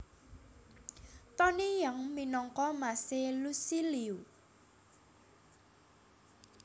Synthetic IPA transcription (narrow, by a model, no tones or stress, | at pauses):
t̪ɔnijaŋminɔŋkɔmaselusiliu